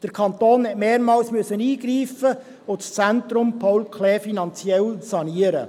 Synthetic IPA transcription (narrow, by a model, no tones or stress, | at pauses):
d̥əɾkʰɑnt̪oːnɛtmeːɾmɑːlsmyəsəniːɡɾiːfə | ʊtst͡sæntɾʊmpʰɔwlkʰlɛːfinɑnt͡sjɛlsɑniːəɾə̰